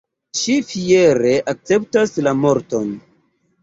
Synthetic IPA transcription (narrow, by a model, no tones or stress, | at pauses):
ʃifie̞ɾe̞ʔak̚t͡se̞p̚taslamo̞ɾto̞n